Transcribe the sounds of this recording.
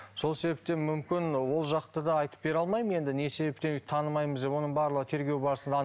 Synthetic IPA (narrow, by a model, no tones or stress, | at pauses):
so̞lˠse̞be̞p̚t̪e̞mʏmkʲɪnwo̞lˠʒɑqt̪əd̪ɑɑjt̪ə̥p̚be̞ɾɑlˠmɑjməje̞nd̪ɪne̞se̞be̞p̚t̪ent̪ʰːɑnəmɑjməzd̪e̞pwo̞nəɴbɑɾlˠəʁət̪ʰe̞ɾɡʲe̞wbɑɾəsənd̪ɑ